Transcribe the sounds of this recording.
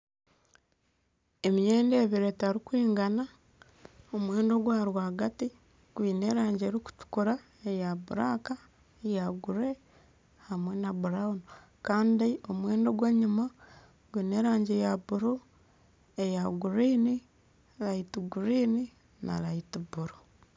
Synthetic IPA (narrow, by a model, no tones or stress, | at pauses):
emijeːndeβiɾetaɾikwiːŋɡana | omwe̞ːndo̞ɡwaːɾwaːɡati | ɡ̥wiːne̞ːɾaːɲɟeːɾiku̥tu̥kuɾa | e̞jaβuɾaːka | ejaɡuɾe̞ | hamwe̞naβuɾaono | kaːndio̞mwe̞ːndo̞ɡwaɲuma | ɡwiːne̞ɾaːɲɟejaβuɾu | ejaɡuɾiːni | ɾaitiɡuɾiːni | na̰ɾaitiβuɾu